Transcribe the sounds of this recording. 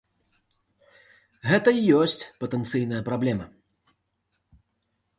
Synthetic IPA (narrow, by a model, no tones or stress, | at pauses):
ɣɛt̪ɐijɔsʲt͡sʲpɐt̪ɛnt̪sɨjnɐjɐpɾablʲɛmɐ